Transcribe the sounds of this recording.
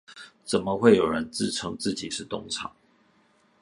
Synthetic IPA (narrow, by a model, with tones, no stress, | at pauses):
t͡sə˨˩nmə˦xwe˥˩ɪjo˨˩ʊɻə˧˦nt͡sɹ̩˥˩ʈ͡ʂʰɤ˥ŋt͡sɹ̩˥˩t͡ɕi˨˩ʂɻ̩˥˧t̪ʊ˥ŋʈ͡ʂʰɑ̰˨˩˦ŋ